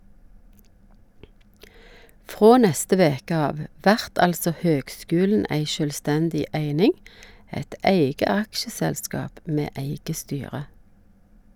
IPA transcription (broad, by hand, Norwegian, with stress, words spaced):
ˈfʁoː ˈnɛstə ˈʋeːkə ˈɑːʋ ˈʋæʁt ˈɑlsɔ ˈhøːɡˌskʉːln̩ ˈæɪ ʃœlˈstɛndɪ ˈæɪnɪŋ ˈɛt ˈæɪɡə ˈɑkʃəˌsɛlˌskɑːp ˈmeː ˈæɪɡə ˈstyːʁə